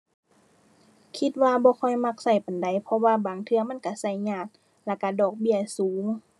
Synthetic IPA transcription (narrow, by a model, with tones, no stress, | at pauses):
kʰi˧t̪̚waː˧bɔː˧˦kʰɔ˧˩˨jma˧k̚sa˧˩jpa˨nda˨˦jpʰɔ˧waː˧baː˨ŋt̪ʰɯ˧ɐma˧˥˨nka˧˩sa˧˩jɲaː˧˩t̪̚ | la˧˩ka˧˩dɔː˨˩k̚bi˧˩əsuː˨˦ŋ